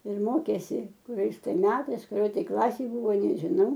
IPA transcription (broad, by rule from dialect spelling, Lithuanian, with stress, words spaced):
ɪr ˈmoːkʲeːsʲɪ kʊˈrʲɛɪs tɐɪ ˈmʲæːtɐɪs kʊˈrʲoːj tɐɪ ˈklˠɑːsʲeːj ˈbuːʋoː nʲɛʒʲɪˈnɐʊ